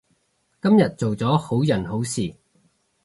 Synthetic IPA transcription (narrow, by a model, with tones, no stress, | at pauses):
kɐ˥mjɐ˨t̚t͡so˨wt͡sɔː˨˥ho˨˥wjɐ˨˩nɦo˨˥wsiː˨˩